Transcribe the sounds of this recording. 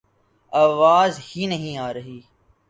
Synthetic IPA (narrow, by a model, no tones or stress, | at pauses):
aːʋaːzhiːnəɦĩːaːɾəɦiː